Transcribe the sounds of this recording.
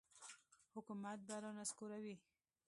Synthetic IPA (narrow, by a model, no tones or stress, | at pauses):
hʊkumat̪̚baɾanaskuɾawi